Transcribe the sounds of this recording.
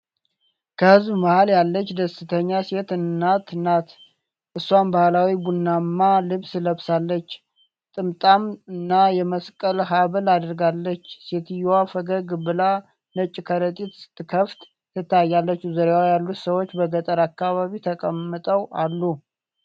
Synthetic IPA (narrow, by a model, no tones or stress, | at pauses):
kʰəhɨzbməhaljalːət͡ʃːd̪əsɨt̪ʰəɲːase̞t̪ɨnːat̪ʰɨnːat̪ | ʔɨsːwambahlawiɡunːamːalɨβsləβsalːət͡ʃː | t̪ʼɨmt̪ʼamɨnːajɛməskʼəlɦaβəlad̪əɾɡalːət͡ʃːset̪ɨjwafəɡəɡbɨla | nət͡ʃʼːɪkʰəɾət̪ʼit̪ɨ̥t̪ːɨkʰəft̪ | t̪ːɨt̪ːajːalːət͡ʃːuzəɾewajalːut̪səwot͡ʃːbəɡət̪ʼəɾakːaβaβit̪ʰəkʼəmːɨt̪ʼəwalːu